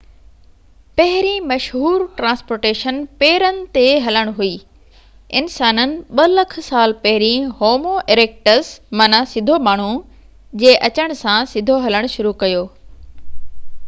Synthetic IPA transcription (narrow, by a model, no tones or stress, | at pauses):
pɐɦɪɾimɐʃɦuːɾʈɾãːspoːɾʈeːʃənpeːɾənɪ̆t̪eɦɐləɽ̃ɦuiː | ɪnsaːnənɪ̆ɓɐlɐkʰsaːlpɐɦɪɾĩhoːmoʔeɾeːk̚ʈəsmɐnasɪd̪ʱomaːɳ̤u | d͡ʑeːʔɐt͡ɕəɽ̃sãsɪd̪ʱoɦɐləɽ̃ʃʊɾukɐjoː